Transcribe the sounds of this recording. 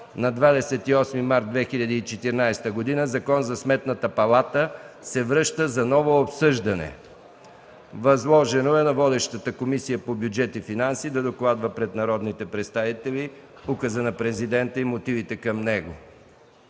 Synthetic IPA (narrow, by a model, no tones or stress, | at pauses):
nɐd̪vad̪ɛsɛt̪iɔsmimaɾt̪̚d̪vɛxiʎʲɐd̪iːt͡ʃɛt̪iɾnajst̪əɡod̪inəzɐkɔnzɐsmɛt̪nət̪əpɐlˠat̪əsɛvɾɤʃt̪əzɐnɔvoːpsɤʒd̪ɐnɛ̰ | vɐzlˠɔʒɛnoɛnɐvɔd̪ɛʃt̪ət̪əkomisijəpobjud͡ʒɛt̪ifinansid̪ɐd̪oklˠad̪vəpɾɛt̪nɐɾɔd̪nit̪ɛpɾɛt̪st̪avit̪ɛli | ukəzənɐpɾɛzid̪ɛnt̪əimot̪ivit̪ɛkɐmnɛɡo